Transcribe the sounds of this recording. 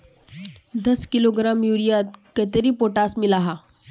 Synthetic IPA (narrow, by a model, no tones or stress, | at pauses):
d̪əskiloɡɾamjuɾijat̪̚kət̪eɾipoʈasmilaɦa